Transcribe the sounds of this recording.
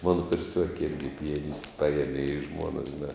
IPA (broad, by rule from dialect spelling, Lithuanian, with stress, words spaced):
ˈmɑːnoː kʊrʲˈsʲuɔkʲɪ ˈɪrʲɡʲɪ pʲɪjɛˈnʲɪsʲtʲɪ ˈpɑːjiɛmʲɪ ɪ ˈʒmuɔnɐs ʒʲɪˈnɑː